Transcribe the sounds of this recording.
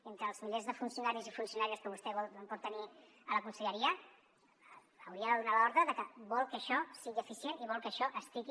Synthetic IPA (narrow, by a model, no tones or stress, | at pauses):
ent̪ɾəːlˠzmiʎezðəfunsjunaɾizifunsiunaɾiəskəβust̪ɛβɔlmpuɾt̪əni | ələkunsəʎəɾiə | əwɾiəðəðunalɔɾðɾəðəkəβɔlˠkəːʃɔsiɣiəfisjeniβɔlˠkəʃɔʔəsp̪liki